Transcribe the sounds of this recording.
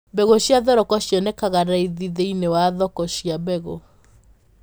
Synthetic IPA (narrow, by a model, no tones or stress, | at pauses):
bɛɣoɕjaðɔɾɔkɔɕjɔnekaɣaɾaiðiðeinewaðɔkɔʃiabɛɣo